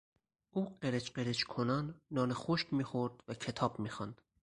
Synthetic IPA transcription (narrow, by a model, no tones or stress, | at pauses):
uːɢeɾet͡ʃqeɾet͡ʃkʰonɑnːɒːnexoʃkmiːxoɾd̪vækʰet̪ʰɒːb̥miːxɑnd̪̥